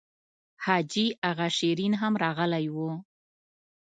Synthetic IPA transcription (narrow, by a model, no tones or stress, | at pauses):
hɑd͡ʒiaɣaʃeɾinɦamɾɑɣəlajwu